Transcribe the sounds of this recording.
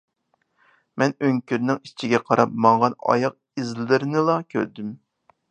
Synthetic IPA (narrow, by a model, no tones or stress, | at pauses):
mɛnøŋkʲyɾnɪŋit͡ʃʰiɡʲɛqʰɑɾɑpmɑɴʁɑnɑ̰jɑq̚ | izllɪɾɪnɪlˠɑkʲʰø̰ɾd̪ym